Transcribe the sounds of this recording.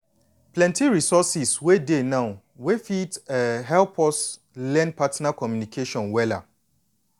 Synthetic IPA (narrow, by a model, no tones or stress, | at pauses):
plɛ̃ntiɹisɔsiswedenãʊ | wefitɛɦɛlpʰɔs | lɛ̃n̚patnakɔmjunikʰeʃɔ̃nwɛla̰